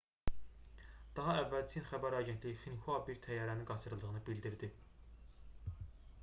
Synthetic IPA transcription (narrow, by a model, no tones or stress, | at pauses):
d̪̥ɑɦɑævːælt͡sʰinχæbæɾɑɟent̪ʰlijiχinkʰuɑbiɾt̪ʰæjːɑɾæniŋɡɑt͡ʃʰɯɾɯlˠd̪ɯɣɯnɯbild̪iɾd̪i